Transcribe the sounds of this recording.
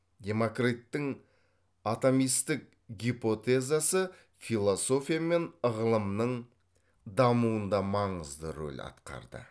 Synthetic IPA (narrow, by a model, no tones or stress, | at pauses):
d̪ʲe̞mo̞krit̪ːɪŋ | at̪omijst̪ɪk̚ | ɡʲipo̞t̪ezasə | filˠo̞so̞fʲijame̞nəʁəlˠəmnəɴ | d̪ɑmuənd̪ɑmɑɴəzd̪əɾo̰lʲɑ̰t̪qɑ̰ɾd̪ə̰